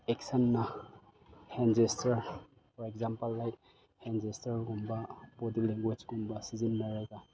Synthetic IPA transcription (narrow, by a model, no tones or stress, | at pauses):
eksɐnːɐ | hend͡ʒestɐɾ | fʰɔɾekzampɐlːajt̚ | hend͡ʒestɐɾɡumbɐpodikleŋɡwed͡ʒɡumbɐsizinːɐɾɐɡɐ